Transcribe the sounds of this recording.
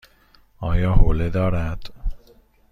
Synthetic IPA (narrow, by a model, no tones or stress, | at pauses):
ɒːjɒːhoːled̪ɒːɾæd̪̥